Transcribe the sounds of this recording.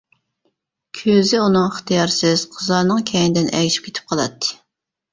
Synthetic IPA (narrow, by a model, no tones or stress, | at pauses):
kʲʰøzɪunɨŋəχt̪ɨjɑɾsɪz̥qʰəzɑnɨŋkʲʰɛnɪd̪ɪnʔɛ̰ɡʲʃi̥pkʲʰe̥t̪ʰɪ̥p̚qʰɑlˠɑ̰t̪ːɨ̥